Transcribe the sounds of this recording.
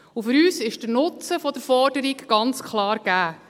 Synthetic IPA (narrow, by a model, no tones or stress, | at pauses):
ufʏɾyːsɪʃd̥ənʊt͡səfɔd̥əɾfɔɾdəɾiɡɡ̥ɑnt͡skʰlˠɑːɾɡ̥æː